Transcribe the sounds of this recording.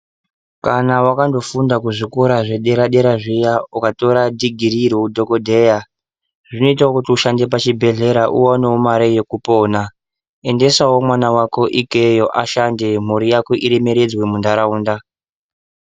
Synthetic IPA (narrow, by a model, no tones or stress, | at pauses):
kanawakando̞fundakuʐikoɾaʐe̞ɗeɾaɗe̞ɾaʐijaukato̞ɾadʱiɡʱiriɾoudʱo̞kodʱe̞ja | ʐ̥ino̞itawokutiuʃande̞p̬at͡ʃibʱe̞ɮe̞ɾaʔuwaneomaɾejekupo̞ːna | e̞nde̞sawo̞mwanawako̞ʔikejo̞ʔaʃande̞m̤uɾijako̞ʔiɾeme̞ɾe̞d͡zwe̞mundaɾauːnda